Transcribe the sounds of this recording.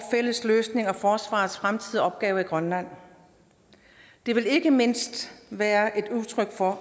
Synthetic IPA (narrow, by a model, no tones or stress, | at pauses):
fel̰əsløːsne̝ŋɒ̽fɒːsʋɑ̰̈ːð̩ˠsfʁamt͡sʰið̰ˠiɒ̽b̥ɡ̥ɛːʊɐiɡ̥ʁɶnlæn̰ | d̥e̝ʋe̝le̝ɡ̥əme̝n̰sd̥ʋæːɐʔe̝d̥uðˠt͡sʰʁœɡ̥fɒ̽